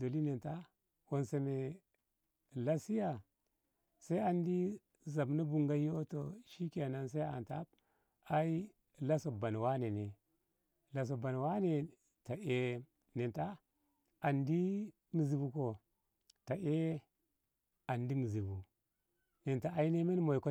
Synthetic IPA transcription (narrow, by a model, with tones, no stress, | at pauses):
do˨li˦ne˨nta˦ | wo˨nse˨me˨ | la˦si˦ja˨ | sa˦i˦a˨ndi˦ | za˨bna˦bu˨ŋɡa˦jo˦to˨ʃi˦ka˨na˨ns̬a˦i˦a̰˨nta˦b̚ | a˦i˦ | la˦so˨ba˨n˨wa˦ne˨ne˨ | la˨s̬o˨ba˨n˨wa˦ne˨ | ta˨e˦ | ne˨nta˦ | a˨ndi˦ | mi˨zi˨bu˨ko˨ | ta˨ʔe˦ | a˨ndi˦mi˨zi˨bu˨ | ne˨nta˨a˨˦i˦ne˦me˦n˦mo˨i˨ko˦